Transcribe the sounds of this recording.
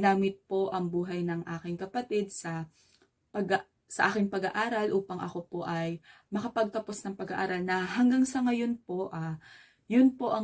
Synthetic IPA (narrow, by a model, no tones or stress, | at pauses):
naːmɪt̪̚po̞ʔɐŋbuːɦɐjnɐŋʔaːkɪŋkɐpɐt̪id̪̚sɐ | pɐɡ | sɐʔaːkɪŋpɐɡɐʔaːɾɐlʔuːpɐŋʔɐ̰ko̞po̞ʔɐj | mɐkɐpɐɡ̚t̪ɐpo̞snɐŋpɐɡɐʔa̰ːɾɐlnɐɦɐŋɡaŋsɐŋɐjo̞npo̞ʔaː | jʊnpo̞ʔɐ